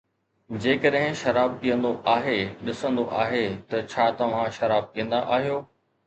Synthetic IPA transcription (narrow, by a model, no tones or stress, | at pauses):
d͡ʑeːkəɗɦɪ̃ʃɐɾaːb̚kijə̃nd̪oʔaːɦeɗɪsə̃nd̪oʔaːɦet̪ɐt͡ɕʰaːt̪ɐʋ̤ãʃɐɾaːb̚kiːə̃nd̪aʔaːɦijoː